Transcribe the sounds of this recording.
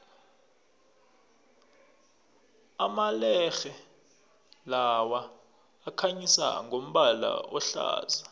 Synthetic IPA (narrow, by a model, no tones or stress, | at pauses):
amalɛxɛ | lawaː | kʰaɲisa̰ŋʱom̩ɓala̰ɔɬa̰ːza